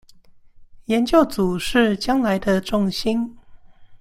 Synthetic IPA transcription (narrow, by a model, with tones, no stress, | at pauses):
jɛ˨˦nt͡ɕjo˥˩ʊt͡su˨˩ʂɻ̩˥˧t͡ɕjɑ˥ŋla˧˦ɪd̪ə˧ʈ͡ʂʊ˥˨ŋɕi˥n